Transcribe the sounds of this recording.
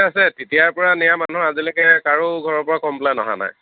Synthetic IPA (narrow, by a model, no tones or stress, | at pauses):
asɛtitijapɔɹanijamanuɦazilɔkɛkaɹuɡʱɔɹɔɹpɔɹakɔmplajnɔɦa̰na̰j